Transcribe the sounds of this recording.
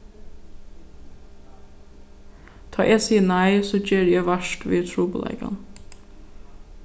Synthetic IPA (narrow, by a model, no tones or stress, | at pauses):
t̪ʰɑ̰ːʔesiːnæɪsoːd͡ʒeːɾjæɪʋæʃʈʋḭːt̪ʰɾuːpolæ̰ɪɡɑ̰n